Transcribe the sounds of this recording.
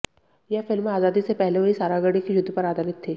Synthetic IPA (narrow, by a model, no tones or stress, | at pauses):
jɛfɪlmaːzaːd̪isepɛɦleʋɐɦisaːɾaɡəɽikeʃʊd̪ʱːpɐɾaːd̪aːlɪt̪ʰːeː